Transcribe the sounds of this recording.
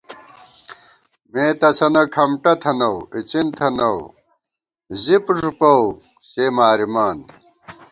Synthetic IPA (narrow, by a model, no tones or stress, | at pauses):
mẽːt̪ɐsɐnɐkʰɐmʈɐt̪ʰɐnɐwit͡ɕint̪ʰɐnɐw | zipʐupɐw | ɕeːmaːɾimaːn